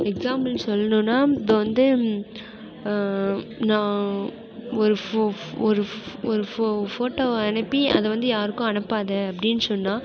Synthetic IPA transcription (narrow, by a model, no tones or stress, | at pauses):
ɛksaːmbɐlnɯsɔlːɐnõːnːaːɪpːɐʋɐnd̪ɯ | nãː | ɔɾɯ | ɔɾɯɔɾɯfoːʈːoːɐnɛpːiɐ̰ðɛʋɐnd̪ɯjaːɾɯkːʊ̃ɐnɐpːaːðẽːɐpːɐɽɪnːɯsɔnːaː